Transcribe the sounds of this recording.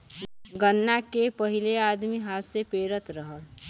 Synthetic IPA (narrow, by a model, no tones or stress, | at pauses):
ɡənːakepəɦɪleaːd̪miɦaːt̪sepeːɾət̪ɾəɦəl